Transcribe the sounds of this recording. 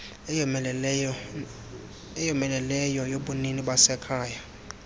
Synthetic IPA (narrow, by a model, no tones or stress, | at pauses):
ɛjɔmɛlɛlɛjɔjoɓuniniɓasɛkʰaːja